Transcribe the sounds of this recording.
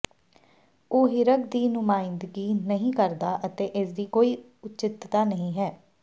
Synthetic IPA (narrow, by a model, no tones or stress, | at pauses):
oːɦɪɾəkd̪iːnʊmaːɪnd̪ɡiːnəɦĩːkəɾd̪aːʔət̪eːʔɪsd̪iːkoːiː | ʊtːt͡ʃɪt̪t̪aːnəɦĩːɦɛː